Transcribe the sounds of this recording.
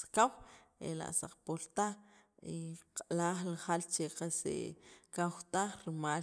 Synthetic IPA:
kawḛla̰ʔsa̰q͡χpolt̪a | iqʼalaːχlaχalt͡ʃeqasḛkawt̪aχɾimaː

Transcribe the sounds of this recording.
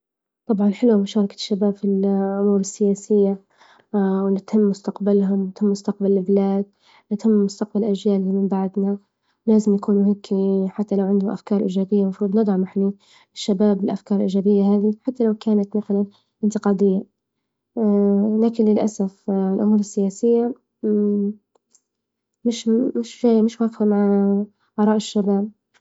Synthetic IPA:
t̪ˤɑbʕɑnħɪlwamʊʃɑːɾˤɑkḁʃːabaːbfilʔʊmuːɾɪsːɪjaːsɪjːa | wnɪt̪hɪmːʊst̪aqbalɦʊmnɪt̪hɪmːʊst̪aq̚balɪlblaːd̪̚ | nɪt̪hɪmːʊst̪aq̚balʔaʒjaːlːimɪmbaʕd̪na | laːzɪmjakuːnuheːkʰiħat̪ːalawʕɪnd̪ʊmʔa̰fkɑːɾˤʔḭːʒaːbɪjːamɑfɾuːd̪ˤnɨd̪ˤʕɑmaħni | ɪʃːabaːbɪlʔafkɑːɾˤlʔḭːd͡ʒaːbɪjːaɦaːðiħat̪ːalawkaːnat̪maθalan | ʔɪnt̪ɪqɑːd̪ɪjːa | laːkɪnlɪlʔasafɪlʔʊmuːɾɪsːɪjaːsɪjːa | mɪʃmɪʃʒaːjːmɪʃwaːfhamaʕ | ʔɑɾˤɑːʔɪʃːabaːb̚

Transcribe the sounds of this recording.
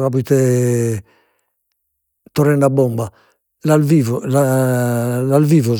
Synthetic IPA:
kapuit̪ɛ | t̪ɔrɛnɖabːɔmba | lalvivɔla | lalviːvɔ

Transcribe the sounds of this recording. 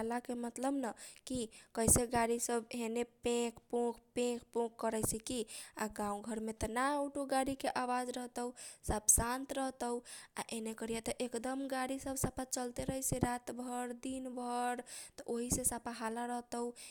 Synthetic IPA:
alakemət̪ləbnəkikəjseɡaɽisəbɦenepẽkpõkpẽkʰpõkːəɾɛsikiaɡãũɡʱəɾmet̪ənaoʈoɡaɽikeʔawad͡ʒɾəɦt̪əusabsãnt̪ɾəɦt̪əua̰ʔenekəɾijɛt̪əʔekd̪əmɡaɽisəbʱsapat͡ʃəlt̪eɾəɦɛseɾat̪bʱəɾd̪inbʱəɾt̪ɔʔoɦisesapaɦalaɾəɦt̪əu

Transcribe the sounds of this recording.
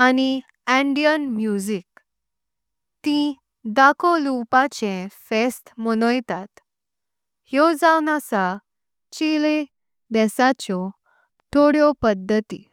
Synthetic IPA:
ani | ɛ̃ɳɖijənmjud͡ʑik | t̪ĩ | d̪akʰɔlupat͡ɕẽfesʈmənɔjt̪at̪ | hjɔd͡zawnat͡sa | t͡ɕile | d̪ɛsat͡ɕɔ | t̪ʰoɽjɔpəd̪ʱːət̪ḭ

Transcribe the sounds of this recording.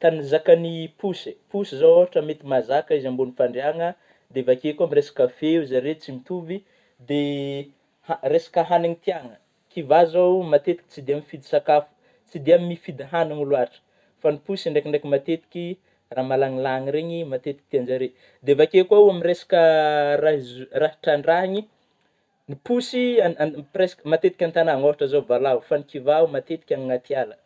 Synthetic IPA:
t̪anizakanipusi̥pusizawaaʈ͡ʂəmet̪imazakəizambonifaɳɖ͡ʐeaŋə | d̪evakekamiresḁkəfeizaɾet͡simit̪uvi | d̪e | haresḁkəɦaniŋit̪iaŋə | kivazawmat̪et̪i̥ki̥t͡sid̪eamifid̪isakafu̥ | t͡sid̪eamimifid̪iɦanaŋulwaɾʈ͡ʂə̥ | fanipusiɳɖ͡ʐekʲiɳɖ͡ʐekʲimat̪et̪i̥kʲi | ramalaŋilaŋiɾeɲimat̪et̪i̥k̚i̥t̪iand͡ʒaɾe | d̪evakekwauamiɾesḁkərazraɦiʈ͡ʂaɳɖ͡ʐaɲi | nipusiapresḁkəmat̪et̪i̥kʲant̪anaŋovaʈ͡ʂəzovalaufanikivaumat̪et̪i̥kʲaŋŋat̪ialə

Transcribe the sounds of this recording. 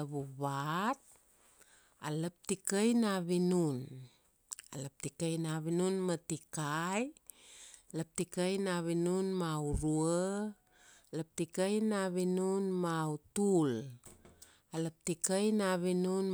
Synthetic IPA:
βuβat̚ | aləp̚tikajnaβinun | alap̚tikajnaβinunmatikaj | ləp̚tikajnaβinunmauɾuə | ləp̚tikajnaβinunmautul | aləp̚tikajnaβinun

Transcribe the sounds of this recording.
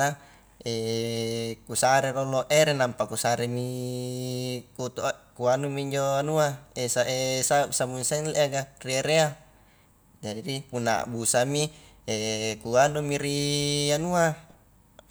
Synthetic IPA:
a | e | kusaɾeɾoloʔeɾenampakusaɾemi | kut̪ukuanumiːɲd͡ʒoanuaesaʔesasamunsanleʔaɡarieɾea | d͡ʒadipunːa̰busami | ekuanumiɾianua

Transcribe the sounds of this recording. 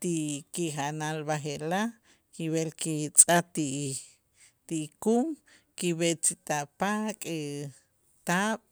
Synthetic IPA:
t̪ikiχaʔnalbaχeʔla | kiβelkit͡sʼat̪i | t̪ikum | kiβet͡sit̪aʔpakʼi | t̪aːɓ̥

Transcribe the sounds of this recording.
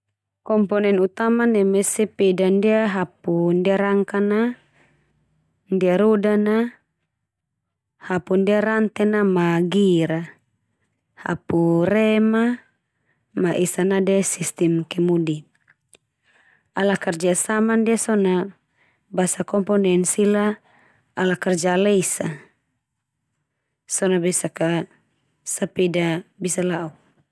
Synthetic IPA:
kɔmpɔnɛnut̪amanɛmɛsɛpɛdandiaɦapundiaɾaŋkana | ndiaɾɔdana | hapundiaɾant̪ɛnamaɡiɾa | ha̰purɛma | maʔisanadɛsist̪ɛmkɛmudi | alakard͡ʒasamandiasɔna | basakɔmpɔnɛnsilaː | lakard͡ʒalɛisa | sɔnabɛsaka | sapɛdabisalauk

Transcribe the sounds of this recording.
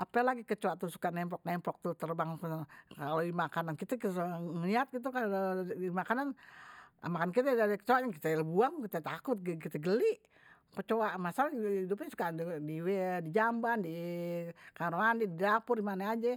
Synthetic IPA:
ʔapɛlaɡikət͡ʃoat̪usu̥kanɛmpɔk̚nɛmpɔk̚t̪ut̪ərbaŋnkalodimakanankit̪ɛksŋliat̪̚ɡit̪̬ukalimakanan | a̰makankit̪ɛdadɛkə̥t͡ʃoaʔɲakit̪ɛlbuaŋkit̪et̪akʊt̪̚ɡkit̪ɛɡəliʔ | kət͡ʃoamasalidup̬ɲasu̥kadiwɛdid͡ʒambandi | kaɾoandididapʊrdimanead͡ʒɛ

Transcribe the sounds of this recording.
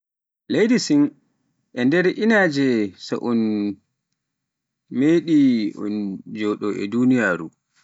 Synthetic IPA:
lejdisin | ʔɛndɛɾʔinaːd͡ʒɛsa̰ʔɔn | meːɗiɔ̰nd͡ʒɔːɗɔʔɛ̰dunijaːɾu

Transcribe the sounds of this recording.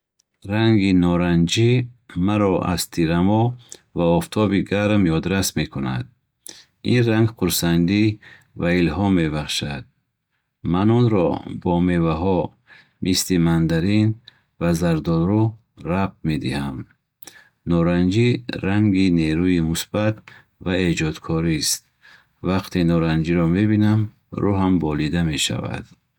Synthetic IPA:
ɾaŋɡinɔɾand͡ʒimaɾɔʔa̰z̥t̪ʰiɾamɔvaɔft̪ʰɔbiɡaɾmjɔd̪ɾasme̞kʰuna̰d̪̚ | inraŋɡquɾsand̪i | vailɦɔmːe̞baχʃad̪̥̚ | manɔnɾɔ̰bɔmevaɦɔ | mʔislimand̪aɾin | vazaɾd̪ɔlɾu | rap̚t̪̚me̞d̪ḭham | nɔɾand͡ʒiɾaŋɡineɾuimusbat̪ | vaed͡ʒɔd̪kʰɔɾist̪̚ | vaqt̪ʰinɔɾand͡ʒiɾɔme̞binam | ɾṵɦambɔlid̪ame̞ʃa̰va̰d̪̥

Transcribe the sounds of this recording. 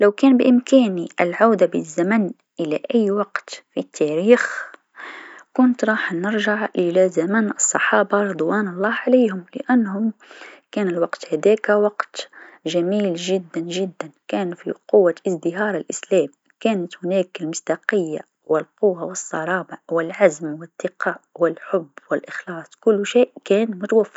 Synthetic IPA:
lawkæːnbɪʔɪmkæːniʔɪlʕawd̪abɪzːaman | ʔɪlaʔæjːwɑqt̪fit̪ʰːæɾiːx | kʊnt̪ɾˤɑːħnɪɾʒaʕʔɪlazamænʔɑsˤːɑħɑːbaɾˤʊd̪ˤwæːnɑlˤːɑːʕalajhʊmlɪ̰ʔanːhʊmkæːnɪlwɑqt̪hæd̪æːkwɑqt̪ʒæmiːlʒɪd̪ːænʒɪd̪ːankæːnfḭqʊwːaʔɪzd̪ɪɦɑːɾˤɪlʔɪslæːm | kæːnət̪hʊnæːkɪlmʊsd̪ɑqəjːa | wɪlqʊwːawəsˤːɑɾˤɑːbawɪlʕazmwɪt̪ːɪqɑːʔwɪlħʊbːwɪlʔɪxlɑːsˤkʊlːʃiːʔkæːnmʊt̪awafːɑ

